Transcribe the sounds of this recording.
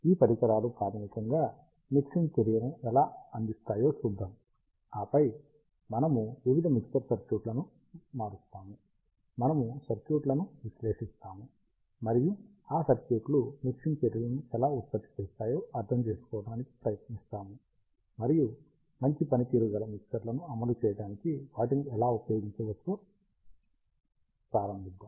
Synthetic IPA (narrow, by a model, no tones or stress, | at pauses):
iːpɐɾikɐɾaːlupɾaːd̪ʱɐnikɐŋɡaː | miksiŋt͡ʃɐɾijɾɐmɛlaːɐnd̪ist̪aːjo̞ːsud̪ʱːɐm | aːpɐj | mɐnɐmuʋiʋid̪ʱɐmikst̪ɐɾsɐɾkjuːʈlɐnu | maːɾust̪aːmu | mɐnɐmusɐɾkjuːʈlɐnuʋisle̞ːʂist̪aːmu | mɐɾiju | aːsɐɾkjuːʈlumikʂinpeːʈɐlɐniɛlaːut̪̚pɐtːi̥t͡ʃɛːst̪aːjo̞ːʔɐɾt̪ʰɐmt͡ʃe̞ːsu̥kɔːʋɐɽaːniki̥pɾɐjɐt̪nist̪aːmu | mɐɾiju | mɐɲt͡ʃipɐnit̪iːɾuɡɐlɐmiksɐɾlɐnuɐmɐlut͡ʃɛːjɐɽaːnikiʋaːʈiniɛlaːupɐjoːɡiɲt͡ʃeːʋɐst̪u | pɾaːɾɐmbʱid̪aːm